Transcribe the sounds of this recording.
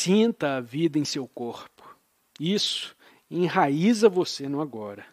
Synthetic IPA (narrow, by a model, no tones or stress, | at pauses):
sĩnt̪ɐavid̪ɐẽj̃sewkoɾpʊ̥ | isʊ̥ | ẽj̃ɦaizɐvosenɐ̃w̃aɡɔɾɐ